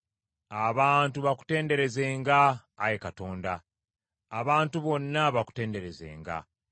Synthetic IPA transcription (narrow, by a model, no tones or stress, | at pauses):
aβaːntuβaku̥te̞ːnde̞ɾe̞ze̞ːŋɡaːjekato̞ːndaː | βaːntuβo̞nːaβaku̥te̞ːnde̞ɾe̞ze̞̰ːŋɡa̰